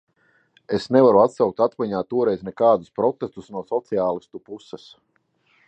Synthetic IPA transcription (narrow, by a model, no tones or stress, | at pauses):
esnɛvaɾuat̪sawk̚t̪at̪vaɲaːt̪uɔɾɛjznɛkaːd̪uspɾɔt̪est̪usnuɔsɔt̪siaːlˠist̪upusɛs